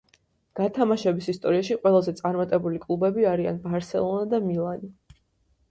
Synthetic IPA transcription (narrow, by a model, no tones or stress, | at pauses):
ɡ̥at̪ʰamaʃɛbisist̪ʼɔɾiaʃiqʼwɛlˠazɛt̪sʼaɾmat̪ʼɛbulikʼlˠubɛbiaɾianbaɾsɛ̰lˠɔnad̪amilˠani